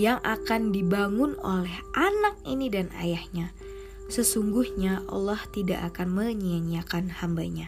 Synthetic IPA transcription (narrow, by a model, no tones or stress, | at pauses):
jaŋʔakandibaŋʊno̰lɛhʔanak̚inidana̰jahɲa | səsuŋɡuhɲaʔɑ̰lːaht̪ida̰ʔakanməɲiaɲiakanhambaɲa